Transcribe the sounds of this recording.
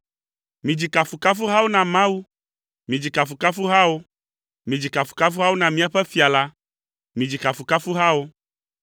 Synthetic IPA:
mĩ˨d͡ʑi˨ka˨fu˨ka˦fu˦ɦa˦wo˦nã˨mã˦wu˦ | mĩ˨d͡ʑi˨ka˨fu˨ka˦fu˦ɦa˦wo˦ | mĩ˨d͡ʑi˨ka˨fu̥˨ka˦fu˦ɦa˦wo˦nã˨mĩ˦a˨ɸɛ˦fi˨a˨la˦ | mĩ˨d͡ʑi˨ka˨fu˨ka˦fu˦ɦa˦wo˦

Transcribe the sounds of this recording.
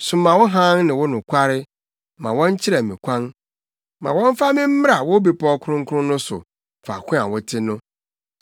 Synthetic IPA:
sʊ˨mã˨wɔ˦ɦã˦nnɪ̃˨wʊ˦nʊ̃˨kʷʰa˦ɾɪ˦ | mã˨wɔ̃˦n˦t͡ɕʰɪ˦ɾa˨mĩ˨kʷʰã˦n | mã̰˨wɔ̃˦ɱ˦fa˦mɪ̃˦m̩˦m˦ɾa˨wʊ˦bi˨pʰɔ˦kʰʊ˦ɾʊ̃˦ŋ̩˦kʰʊ˦ʊ̃˦nʊ̃˦sʊ̰˨ | fa̰˨kʰʷʊ̃˦a˨wʊ˦tʰɪ˦nʊ̃˦

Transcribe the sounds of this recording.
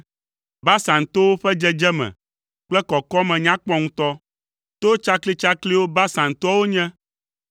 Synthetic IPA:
ba˦sã˨ŋ˨t̪o˦wo˦ɸɛ˦d͡ʒɛ˦d͡ʒɛ˦mɛ̰̃˨ | k͡plɛ˦kɔ˨kɔ˦mɛ̃˨ɲã˦k͡pɔ˦ŋũ˦t̪ɔ˦ | t̪o˦t͡ʃa˦kli˦t͡ʃa˦kli˦wo˦ba˦sã˨ŋt̪ɔ˦wo˦ɲɛ̃˦

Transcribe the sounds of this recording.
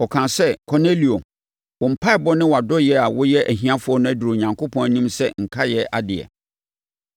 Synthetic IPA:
ɔ˨kʰã˨sɛ˦kʰɔ˨ne˦li˨o˨ | wʊ̃˨m̩˨pʰa˦˨bɔ˦nɪ̃˦wa˨dɔ˦jɛ˦a˨wʊ˦jɛ˦ʔæ˨ɦĩ˨˦a˦fʊ˨ɔ˦nʊ̃˦æ˦du˨ɾo˨ɲã˨ŋkʰo˦pʰɔ̃˦næ˨nĩ˦msɛ˦ŋ̩˨kʰa˦jɛ˦ʔa̰˨dɪ˨ɛ̰˨

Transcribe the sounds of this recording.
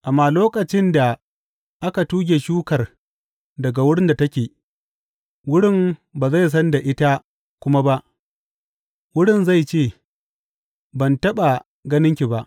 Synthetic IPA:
ʔa˨mːaː˨loː˦kʼɐ˨t͡ʃɪ˦nda˨ | ʔa˦ka˨tuː˦ɡʲeː˨ʃuː˦kɐ˨r | dɐ˨ɡa˨wʊ˦ɽɪ˦nda˨tɐ˦kʲeː˨ | wʊ˦ɽɪ˦˨mbaː˨za˦˨js̬ɐ˦nda˨ʔɪ˦ta˦ | kʷʊ˦ma˦ba˦ʔ | wʊ˦ɽɪ˦˨nza˦˨jt͡ʃeː˦˨ | bɐ˨ntɐ˦ɓa˨ | ɡɐ˦nɪ˦ŋkʲi˨ba˦ʔ

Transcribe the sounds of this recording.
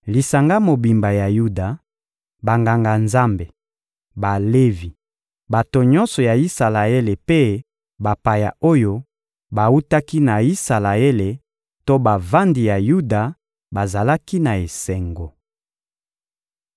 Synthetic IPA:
li˨sa˨ŋɡa˦mo˨bi˨mba˨ja˨ju˦da˨ | ba˨ŋɡa˨ŋɡa˨nza˦mbe˨ | ba˨le˦vi˨ | ba˨to˨ɲɔ̃˦nsɔ˨ja˨i˦sa˨la˨e˦le˨pe˦ | ba˨pa˨ja˨o˦jo˦ | ba˨u˦ta˦ki˦na˨i˦sa˨la˨e˦le˨ | to˦ba˨va˦ndi˨ja˨ju˦da˨ | ba˨za˨la˦ki˦na˨e˨sɛ˨ŋɡo˨

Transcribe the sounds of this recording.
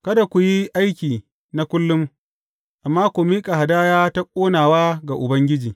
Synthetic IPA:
kɐ˦da˨kʷu˨ji˦ʔa˦jkʲiː˨ | na˦kʷʊ˦lːʊ˦m | ʔa˨mːaː˦kʷʊ˨miː˦kʼa˨ha˨daː˦jaː˦ta˦kʷʼoː˦naː˨waː˦ɡa˨ʔʊ˨bɐ˦ŋɡʲɪ˦d͡ʒiː˨

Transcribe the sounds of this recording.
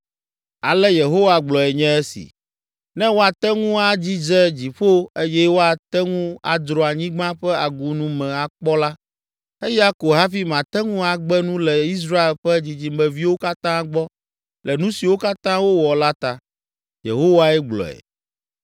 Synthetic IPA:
a˨lɛ˦je˨ɦo˦wa˨ɡ͡blɔ˨ɛ˨ɲɛ̃˦e˦sḭ˨ | nɛ̃˦wo˦a˨t̪ɛ˦ŋũ˦a˦d͡ʑi˦d͡zɛ˦d͡ʑi˨ɸo˦e˦jɛ˦wo˦a˨t̪ɛ˦ŋũ˦a̰˨d̪ɾɔ˨a˨ɲĩ˦ɡ͡bã˦ɸɛ˦a˨ɡu˨nũ˨mɛ̃˨a˨k͡pɔ˦la˦ | e˦ja˦ko˨ɦa˦fi˦mã˨t̪ɛ˦ŋũ˦a˨ɡ͡bɛ˦nũ˦lɛ˨i˦s̬ɾa˦e˨lɸɛ˦d͡ʑi˨d͡ʑi˨mɛ̃˨vi˦wo˦ka˦t̪ã˦ɡ͡bɔ˦ | lɛ˨nũ˦si˨wo˦ka˦t̪ã˦wo˦wɔ˨la˦t̪a˨ | je˨ɦo˦wa˦ɛ˦ɡ͡blɔ̰˨ɛ̰˨

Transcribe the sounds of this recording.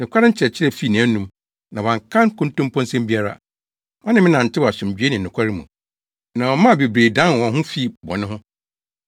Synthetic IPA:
nɪ̃˨kʷʰa˦ɾɪ˦ɲ̩˦t͡ɕʰɪ˨ɾɛ˨t͡ɕʰɪ˦ɾɛ˨fi˦˨nã˨˦nũ˦m | nã˨wã˨ŋkʰã˦nkʊ̃˦n˦tʊ̃˦m˦pʰɔ̃˦n˦sɛ̃˦mbi˦a˦ɾa̰˨ | ɔ˦nɪ̃˦mɪ̃˦nã˨n̩˨tʰɪ˦wɔ˨a˨sʊ̃˨md͡ʑᶣɥe˦nɪ̃˨n˨ʊ̃˨kʷʰa˦ɾɪ˦mũ˨ | nã˨wɔ˨mã˦˨be˨bɾe˨dã˦n˨wɔ̃˨ɦʊ̃˦fi˦˨bɔ̰˨nʊ̃˦ɦʊ̃˦

